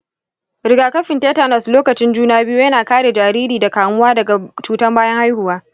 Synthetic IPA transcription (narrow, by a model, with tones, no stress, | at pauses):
ɾɪ˨ɡaː˨kɐ˦ɸɪ˨nte˦ta˨nɐ˨sloː˦kɐ˨t͡ʃɪ˦nd͡ʒuː˦naː˦bɪ˦ju˦jɐ˦naː˨kaː˦ɽe˨d͡ʒaː˨ɾiː˦ɾiː˨da˨kaː˨mʊ˦waː˦dɐ˨ɡa˨t͡ʃuː˨tɐ˦mbaː˦jɐ˦ŋha˦jhʊ˨waː˦